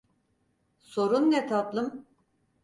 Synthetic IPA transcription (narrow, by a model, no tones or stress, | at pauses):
so̞ɾunːɛt̪ʰat̪lˠɯm